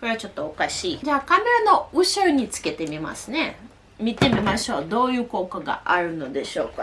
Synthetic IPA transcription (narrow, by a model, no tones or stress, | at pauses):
ko̞ɾe̞at͡ɕo̞t̪ːo̞okaɕiːd͡ʑaːkame̞ɾano̞ɯ̟ɕɨɾɯɲ̟it͡sɨ̥ke̞t̪e̞mʲima̰sɨ̥ne̞ | mʲit̪e̞mʲimaɕo̞ːd̪o̞ːjɯ̟ːko̞ːkaɡa̰ʔaɾɯ̟no̞d̪e̞ɕo̞̰ːka